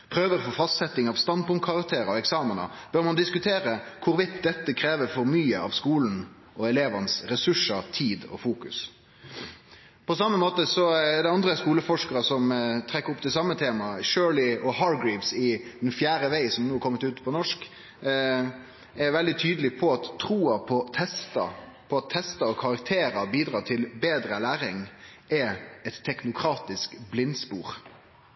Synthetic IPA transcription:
pʰɾøːʋəɾfɔfɑst̪sɛt̪ːɪŋɑʋst̪ɑnd̪̚pʊŋt̪̚kʰɑʁɑkt̪ʰeːɾəɔɛksɑːmənə̰b̥øːɾmɑnd̪ɪskʉt̪ʰeːɾəkʰʊɾʋɪt̪̚d̪ɛt̪ːəkʰɾeːʋəɾfɔɾmyːəɑ̰ʋskuːln̩ | ʔɔɛleːʋɑnəsɾɛsʉʂət̪ʰiːd̪ɔ̰fuːkʉ̰s | pʰɔsɑmːəmoːt̪əsɔɛd̪ɛɑnd̪ɾəskuːləfɔʂkəɾəsɔmt̪ʰɾɛkːəɾʊpːt̪ʰɪlsɑmːət̪ʰeːmɑʃøːlɪɔhɑɾɡɹiːʋsɪd̪ɛnfjæːɾəʋæɪsɔmnuːɾkʰɔmːət̪ʉːt̪pʰɔnɔʂk | æɾʋɛld̪ɪt̪ʰyːd̪əlɪpʰɔɑt̪ʰːɾuːɑpʰɔt̪ʰɛst̪ɑ̰pʰɔɑt̪ʰːɛst̪ɑɔkʰɑɾɑkt̪ʰeːɾəbiːd̪ɾɑːt̪ʰɪlbeːd̪ɾəlæːɾɪŋʔɛɛt̪ʰːɛknʊkʰɾɑːt̪ɪskblɪnspuːɾ

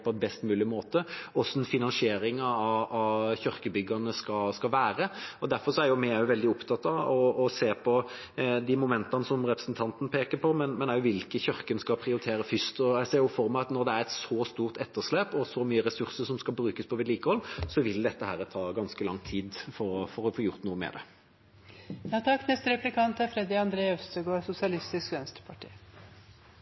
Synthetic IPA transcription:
pʰɔɛnbɛst̪mʉːlɪmoːt̪əɔsɔɛnfɪnɑnsɪeːɾɪŋɑɑɑçœɾkəbʏɡːɑnəskɑskɑlʋæːɾəɔd̪æɾfɔɾʂɔæɾjʊmɪæʊʋɛld̪ɪʊpt̪ʰɑt̪ːɑɔɔseːpʰɔ | d̪ɪmʊmɛnt̪ɑnəsɔmɾɛpɾə̥sn̩t̪ʰɑnt̪nəpʰeːkəpʰɔmɛnmɛnæɾjʊʋɪlkəçœɾkənskɑlpʰɾɪʊɾɪt̪ʰeːɾəfʏst̪ɔæɪseːɾjʊfɔɾmæɑt̪nɔɾd̪ɛæɾɛt̪sɔːst̪uːʁt̪ɛt̪ːəʁʂleːpɔsɔmyːəɾɛsʉɾsəɾʂɔmskɑlbɾʉːkəspʰɔʋɪd̪liːkəhɔlːsɔʋɪld̪ɛt̪ːəhæːɾət̪ʰɑːɡɑnskəlɑŋt̪ʰiːd̪fɔɾɔfɔɾɔfoːjʊɾt̪nuːəmɛ̰d̪ɛ̰ | jɑːt̪ʰɑkːnɛst̪əɾɛplɪkɑnt̪æɾfɾɛd̪ɪɑnd̪ɾeːɛfst̪əɡoɾsʊsɪɑlɪst̪ɪskʋɛnst̪ɾə̥pʰɑʈʰḭː

